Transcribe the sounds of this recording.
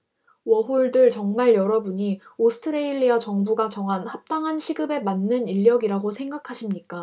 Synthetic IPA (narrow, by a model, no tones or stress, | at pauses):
wʌɦoɭdɯɭt͡ɕʌŋmaɭjʌɾʌbuɲiosʰɯ̥tʰɯɾeiɭːiat͡ɕʌŋbuɡat͡ɕʌŋɦanhap̚t͈aŋɦanɕʰiɡɯbe̞manːɯniʎːʌɡiɾaɡosʰe̞ŋɡakʰaɕʰimɲik͈a